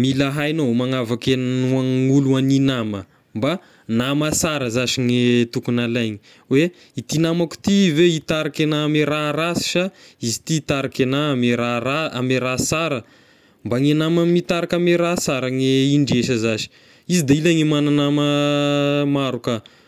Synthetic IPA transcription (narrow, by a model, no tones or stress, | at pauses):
milaɦajnomaŋavakenaŋuluaninamə | mba | namasaɾəzaʃiŋet̪ukunalajɲi | we | it̪inamaku̥t̪iveit̪aɾakenameɾaɾasi̥ʃaizit̪iːt̪aɾakenameɾaɾaa̰meɾasaɾə | mbaŋenamamit̪aɾakameɾasaɾaŋeiɳɖ͡ʐeʃəzaʃi̥ | izid̪eilaŋimananamə | maɾuka